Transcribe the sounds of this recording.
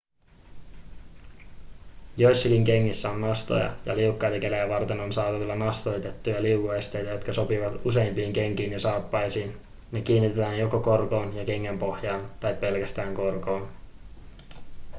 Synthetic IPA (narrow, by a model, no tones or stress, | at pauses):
jo̞jsːɑkiŋk̟e̞ŋːisːæo̞nːɑst̪o̞̰jɑ̰jɑ̰liukːɑjt̪ɑke̞læjæʋɑrt̪e̞no̞nsɑːt̪ɑʋilːɑnɑst̪o̞jt̪e̞t̪ːujɑliwkoest̪e̞jt̪æjo̞t̪kɑso̞piʋɑt̪use̞jmpiːŋk̟e̞ŋk̟iːnjɑsɑːpːɑjsiːn | ne̞k̟iːnːit̪et̪æːnjo̞koko̞rko̞ːnjɑk̟e̞ŋːempo̞hjɑːnt̪ɑjpːe̞lkæst̪æːŋko̞rko̞ːn